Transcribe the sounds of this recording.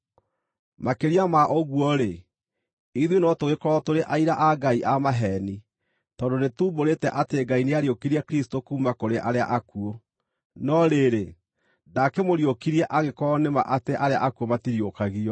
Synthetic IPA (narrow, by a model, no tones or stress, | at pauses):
makeɾiamaʔoɣwɔɾe | iðwenɔtowekɔɾɔtoɾeʔaiɾaʔaɡaiʔamaɦɛni | tɔdonetuːboɾetɛʔateɡaineaɾiokiɾiakɾistokuːmakoɾeʔaɾea̰ʔakuo | nɔɾeɾe | nakemoɾiokiɾiɛʔaɣekɔnema̰ʔateʔaɾea̰ʔakuomatiɾiokaɣiɔ